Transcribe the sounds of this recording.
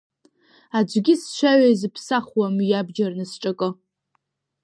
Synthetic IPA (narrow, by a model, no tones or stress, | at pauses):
ad͡ʒʷɡʲɪsʃʷaɥajzɨpʰsaχwamyjabd͡ʒarnɨsʈ͡ʂʼakʼɨ